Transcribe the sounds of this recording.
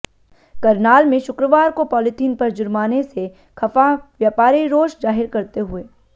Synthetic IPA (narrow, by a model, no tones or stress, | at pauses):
kɐɾnaːlmẽʃʊkɾəʋaːɾkopɔːlɪtʰiːnpɐɾd͡ʒʊɾmaːnese | xɐfaʋjaːpaːɾiɾoːʃzaːɦɪɾkɐɾt̪eɦʊeː